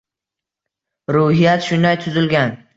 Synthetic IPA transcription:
ɾʊhijat̪ʃʊnd̪ajt̪ʰʊzɪlɡʲan

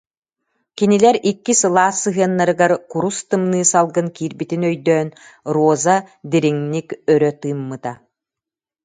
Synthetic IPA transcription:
kinilɛɾikːisɯlˠaːsːɯɦɯɐnːaɾɯɡaɾkuɾust̪ɯmnɯːsalˠɡɯnkiːɾbit̪inœjd̪œːnɾuɔzad̪iɾiŋnikœɾœt̪ɯːmːɯt̪a

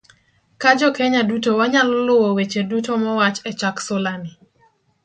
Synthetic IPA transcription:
kad͡ʒɔkeɲadutowaɲalɔlʊwowet͡ʃedutomɔwat͡ʃɛt͡ʃaksolani

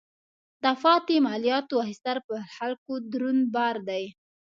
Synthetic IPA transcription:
d̪afɑt̪emɑlijɑt̪oahist̪aɾpəxalkod̪ɾunbɑɾd̪aj

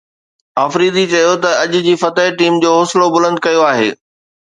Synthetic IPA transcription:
aːfɾiːd̪it͡ɕɐjot̪ɐɐʄʊ̆d͡ʑiːfɐt̪əeʈiːmd͡ʑoːɦʊːslobʊlə̃nd̪̚kɐjoaːɦḛː

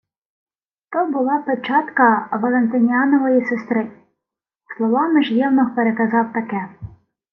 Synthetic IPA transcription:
t̪ɔbʊlˠɑpet͡ʃɑt̪kɐʋɐlˠent̪ɪnʲɑnɔʋɔjisest̪ɾɪ | slˠɔʋɑmɪʒjɛwnɔxpeɾekɐzɑwt̪ɐkɛ

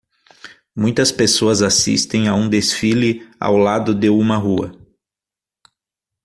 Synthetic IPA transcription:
mũj̃t̪ɐspesoɐzasḭst̪ẽj̃aũd̪esfilɪa̰wlad̪ʊd̪ɪũmɐɦuɐ

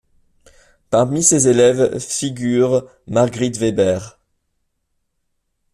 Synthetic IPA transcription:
paʁmisezelɛvfiɡʲyʁ | maʁɡʁit̪vebɛʁ

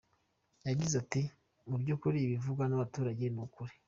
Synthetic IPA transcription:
jaɟizati | mubɟoːkuɾiːβivuɡwanaβatuːɾaɟe̞nukuɾi̥

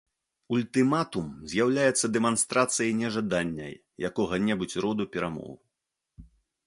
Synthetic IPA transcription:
ulʲt̪ɨmat̪umzʲjawlʲajɛt̪sːɐd̪ɛmanst̪ɾat̪sɨjɐjnʲɛʐad̪anʲːɐ̰j | jakɔɣɐnʲɛbut͡sʲrɔd̪upʲɛɾamɔ̰w

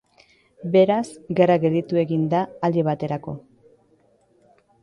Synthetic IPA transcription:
be̞ɾazɡeɾaɣe̞ld̪it̪ue̞ɣind̪aːleβ̞at̪e̞ɾako̞

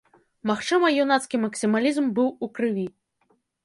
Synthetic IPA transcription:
maxt͡ʂɨmɐjunat̪skʲimɐksʲimalʲizmbɨwukɾɨvʲi

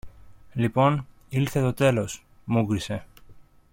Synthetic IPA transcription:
lipo̞n | ilθe̞t̪o̞t̪e̞lo̞s | mukɾise̞

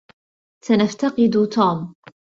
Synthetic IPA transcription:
sanaft̪ɑqɨd̪ʊt̪uːm

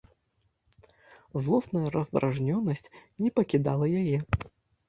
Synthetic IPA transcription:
zlˠɔsnɐjɐɾɐzd̪ɾʔaʐnʲɔnːɐsʲt͡sʲnʲɛpɐkʲid̪alˠɐjajɛ

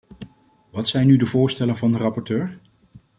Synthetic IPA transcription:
ʋɑtsɛjnːydəvʊːɹstɛlənvɑndərɑpɔɹtøːɹ

